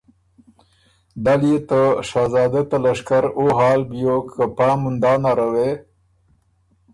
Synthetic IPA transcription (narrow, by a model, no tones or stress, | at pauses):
d̪aljet̪əʂaːzɑːd̪et̪alaʂkaɾoɦɑːlbjokʰːəpɑːmund̪ɑːnaɾawe